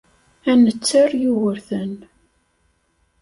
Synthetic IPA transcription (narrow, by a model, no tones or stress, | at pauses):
ænət͡sːəɾjuwəɾθən